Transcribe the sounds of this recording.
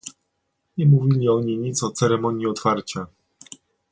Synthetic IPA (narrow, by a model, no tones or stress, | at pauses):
ɲɛmuvʲilʲiɔɲeɲit̪sɔt̪sɛɾɛmɔɲiɔt̪faɾt͡ɕa